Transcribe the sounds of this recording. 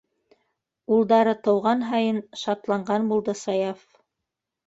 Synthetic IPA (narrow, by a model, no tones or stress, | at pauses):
ulˠd̪ɑɾɤt̪ɤ̆wʁɑnɦɑjɤnʃɑt̪lˠɑɴɢɑnbulˠd̪ɤsɑjɑf